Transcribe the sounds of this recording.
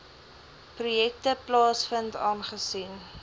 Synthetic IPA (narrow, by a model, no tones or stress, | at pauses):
prujɛk̚təplɑːsfəntɑːnχəsin